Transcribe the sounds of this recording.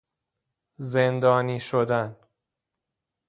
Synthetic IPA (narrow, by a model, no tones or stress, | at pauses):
zend̪ɒːniːʃod̪æn